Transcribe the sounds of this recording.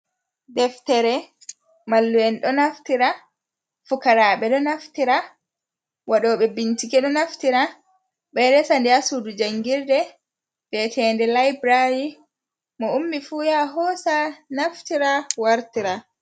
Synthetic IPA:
dɛftɛɾɛ | malːuɛnɗɔnaftiɾa | fukaɾaːɓɛɗɔnaftiɾa | waɗɔːɓɛbintikɛɗɔnaftiɾa | ɓɛɾɛsandiasudud͡ʒaŋɡiɾdɛ | bɛtʰɛːndɛlajbɾaji | mɔumːifujaɦɔsanaftiɾawaɾtiɾa

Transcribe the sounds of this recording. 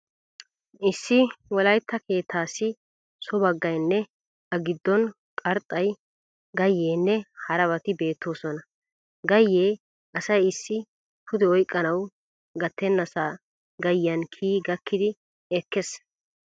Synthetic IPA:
ʔɪsːɪwɔlɐjt̪ːɐke̞ːt̪ʰːaːsɪ | sɔbɐɡːɐjnːɛ | ɐɡɪd̪ːɔn | kʼɐɾt̪ʼɐj | ɡɐjːeːnːɛhɐɾɐβɐt̪ɪbe̞ːt̪ːo̞ːsɔnɐ | ɡɐjːeː | ʔɐsɐjɪsːɪ | tʰʊd̪ɛɔjkʼːɐnɐw | ɡɐt̪ːɛnːɐsaː | ɡɐjːɐnkʰiːɡɐkʰːɪd̪ɪ | ɛkːɛs

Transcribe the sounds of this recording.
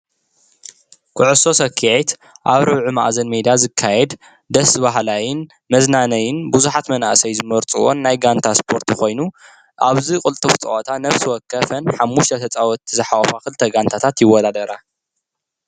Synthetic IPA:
kʰɨʕɨso̞sɐkʰːiet̪ | ʔaβɾɐβʕumaʔzɐnmed̪ijazɨkʰːajɛd̪ | d̪ɐsbaɦlajɪn | mɐznanɐjɪnbuzuħat̪mɐna̰ʔsɐjzɨmɐɾt͡sʼṵwo̰nːajɡant̪ʰaspʰo̞ɾt̪ʰixo̞jnu | ʔaβzikʼɨlt̪ʼɨft͡sʼɐ̰ʔɐt̪ʰanɐfsiwɔkʰːɐfɐnħamːuʃt̪ʰɐt̪ʰɐt͡sʼawɔt̪ʰːizɨħawfakɨlɨt̪ʰːɐɡant̪ʰat̪ʰat̪jɪwːɔd̪ad̪ɐɾa

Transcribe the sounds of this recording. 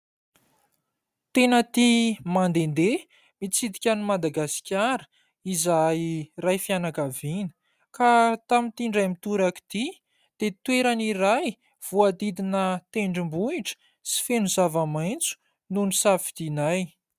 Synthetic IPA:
t̪enət̪imand̪end̪e | mit͡sid̪ikʲanumad̪aɡasi̥kʲaɾə̥ | izajrajfianakavinə̥ | kat̪amint̪iɳɖ͡ʐajmit̪uɾaki̥d̪̥i | d̪̥et̪weɾaniɾaj | v̥uad̪id̪inət̪eɳɖ͡ʐimbuiʈ͡ʂə̥ | si̥fenuzavamajnt͡su̥ | nunusafid̪̥inaj

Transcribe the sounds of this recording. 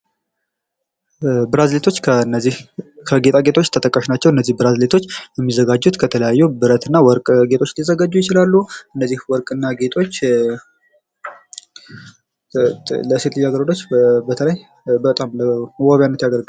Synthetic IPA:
bɨɾazlet̪ʰo̞t͡ʃːkʰəɨnːihkʰəɡe̞t̪ʼaɡe̞t̪ʰo̞t͡ʃːt̪ʰət̪ʼəkʼːəʃnat͡ʃːɛwɨnːəzːihbɨɾazlet̪ʰo̞t͡ʃːjɛmːizəɡad͡ʒːut̪kʰət̪ʰələjajːubɨɾət̪ɨnːawɔɾkʼɡe̞t̪ʰo̞t͡ʃːlizːəɡad͡ʒːujɪt͡ʃɪlalːuɨnːəzːihwɔɾkʼɨnːaɡe̞t̪ʰo̞t͡ʃː | ləset̪lɨjaɡəɾd̪ʰot͡ʃːbət̪ʰələj | bət̪ʼamləwɔβjanːət̪jaɡəɾɡ

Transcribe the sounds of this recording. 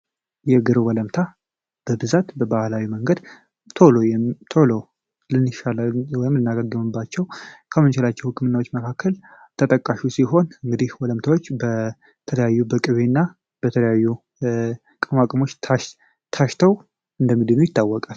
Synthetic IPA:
jɛɡɨɾwɔləmt̪ʰa | b̥əbɨzat̪bəbahlawiməŋɡəd̪ | t̪ʰo̞lojɛmt̪ʰo̞lo̞ | lɨnːɨʃalawɔjɪmlɨnːaɡaɡːɨmɨbːat͡ʃːɛwkʰəmɨnt͡ʃɪlat͡ʃːɛwhɨkʰʼːɨmɨnːawot͡ʃːməkʰakːəl | t̪ʰət̪ʼəkʼːaʃusiɦo̞nɨŋɡɨd̪ihwɔləmt̪ʰawot͡ʃːbə | t̪ʰələjajːubəkʼɨβenːa | b̥ət̪ʰələjajːu | kʼɨmakʼɨmo̞t͡ʃːʰ | t̪ʰaʃt̪ʰəw | ʔɨnd̪əmːid̪ɨnujɪt̪ʰːawːɔkʼal

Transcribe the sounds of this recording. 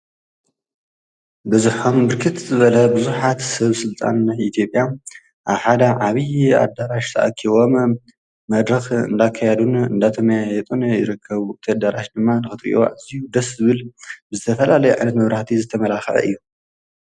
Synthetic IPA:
bɨzuħombɨɾkʰɨt̪zɨβɐlɐbɨzuħat̪sɐβsɨlt̪ʼa̰najʔit̪ʰjo̞pʼja | ʔaβħad̪ɐʕaβia̰d̪aɾaʃt̪ʰɐ̰ʔakʰːiβo̞m | mɐd̪ɾɐxɨ̰nd̪akʰːajɛd̪unɨnd̪at̪ʰɐmɐjajɛt̪ʼunjɪɾɨkʰːɐβt̪ʰad̪aɾaʃd̪ɨmːanɨxɨt̪ʼḭʔo̰ʔɨzijud̪ɐszɨβɨlbɨzɨt̪ʰɐfɐlalɐjuʕa̰jnɐt̪mɐβɾaħt̪ʰizɨt̪ʰɐmɐlaxʕɐ̰ʔɨ̰jːu

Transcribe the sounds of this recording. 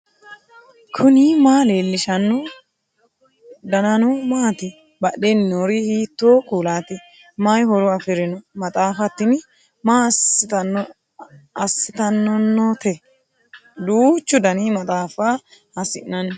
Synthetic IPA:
kʰʊnimaːleːlːɪʃɐnːʊ | d̪ɐnɐnʊmaːt̪ɪ | bɐɗenːoːɾɪhiːt̪ːoːkʼuːlaːt̪ɪ | mɐjhɔɾɔɐfɪɾɪnɔmɐt̪ʼaːfɐt̪ːɪn | maː | ɐsːɪt̪ɐnːɔnːɔt̪ɛ | d̪uːt͡ʃːʊd̪ɐniːmɐt̪ʼaːfa | ɐsɪ̰nɐn

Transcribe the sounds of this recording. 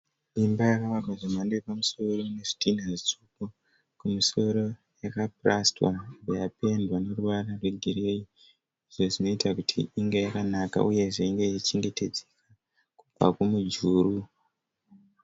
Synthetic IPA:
imbajakaʋakwaʐimandepamuso̞ro̞ne̞ʐi̥tinazit͡suko | kumiso̞ɾo̞ | jakaprastwa̰ŋbejape̞ndwane̞ruʋararweɡʱiɾe̞i | iʐo̞ʐino̞itakutʰḭiŋɡejakanaka̰ʔuje̞ʐe̞iŋɡejit͡ʃeŋɡe̞te̞d͡zeka | kub͡va̰kumud͡ʒuːru

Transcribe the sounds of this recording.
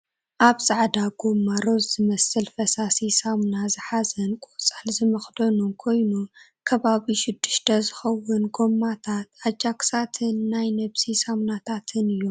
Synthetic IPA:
ʔaβsʼaʕd̪aɡ̥o̞mːaɾo̞zzɨmɐsɨlfɐsasisamnazɨħazɐnkʼut͡sʼalzɨmɐxd̪onumkʰo̞jnu | kʰɐβaβiʃɪd̪ːɨʃt̪ʰɐzɨxɐwʊnɡo̞mːat̪ʰat̪ʕad͡ʒaksat̪ʰɨnːajnɐβsisamnat̪ʰat̪ʰɨnɨjːom

